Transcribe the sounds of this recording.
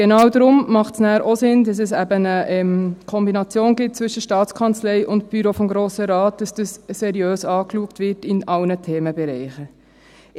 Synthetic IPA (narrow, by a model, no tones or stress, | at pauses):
ɡenɑːwdɾʊmmɑχtsnæːɾʔosɪndɑsɛsæbənəʔɛmkʰɔmbinɑt͡sjoːnɡɪt̚t͡sʋʏʃəʃtɑːtt͡skʰɑnt͡slɛɪʔʊntb̥yɾofɔmɡɾoːsəɾɑːt̚d̥ɑsd̥əssɛɾjøːsɑːkluəktʋɪɾtɪnɑlnətʰeːməbɛɾɛɪχə